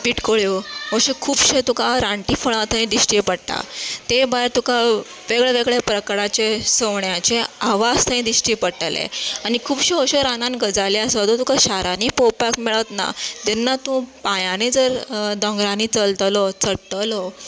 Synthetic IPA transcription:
piːʈkoɭjoɦoɕekʰuːbɕet̪ũkaɾaɳʈifəɭãt̪ʰəĩd̪iɕʈipəɽʈ̪a̰t̪ebajɾt̪ukʰa | ʋeɡɭeʋeɡɭepɾəkɾat͡ɕesəʋɳjat͡ɕeaʋast̪ʰaĩd̪iɕʈipəɽʈəlḛanikʰuːbɕeoɕeɾanãnɡəd͡zaleəsat̪ot̪ũkaɕaɾanipowpakmɛɭat̪na̰t̪ɛnːat̪ũpãjanid͡zəɾd̪ɔ̃ŋɡɾanit͡səlt̪lɔt͡səɽt̪əlɔ

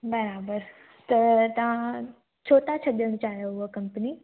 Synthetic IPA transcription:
bɐɾaːbəɾ | t̪ɐt̪ɐʋ̤ã | t͡ɕʰoːt̪at͡ɕʰɐɗəɽ̃t͡ɕaːɦjouɦəkɐ̃mpəni

